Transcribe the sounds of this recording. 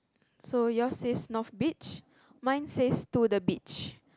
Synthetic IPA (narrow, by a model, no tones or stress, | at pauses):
sojɔsesnɔfbit͡ʃ | mãj̃nsestudəbit͡ʃ